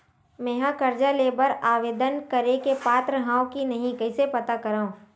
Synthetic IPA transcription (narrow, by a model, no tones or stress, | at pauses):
meːɦãkɐɾd͡ʒaleːbəɾaːʋeːd̪ənkɐɾekepaːt̪ɾəɦãːõkinɐɦĩkɐɪsepɐt̪akɐɾaːɦũː